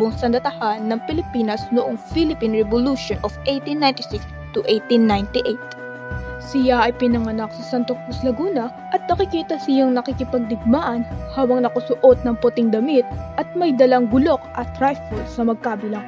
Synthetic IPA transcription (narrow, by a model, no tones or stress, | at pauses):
oŋsɐnd̪ɐt̪ɐhanːɐŋpɪlɪpiːnɐsnʊʔoŋfilɪpinɹɛboluʃonʔofʔejt̪inːajnt̪ɪsɪks | t̪ʊʔejt̪inːajnt̪ɪʔejt̪̚ | sɪjaʔɐjpɪnɐŋɐnaksɐsant̪ok̚uslɐɡuːnɐ | ʔɐt̪̚nɐkɪkiːt̪ɐsɪjaŋnɐkɪkɪpɐɡ̚d̪ɪɡ̚maːʔɐnhaːbɐŋnɐkɐsʊʔo̞t̪̚nɐŋpʊt̪ɪŋd̪ɐmit̪̚ʔɐt̪̚mɐjd̪ɐlaŋɡʊlo̞kʔɐt̪ːɾajfɐlsɐmɐɡ̚kaːbɪlaŋ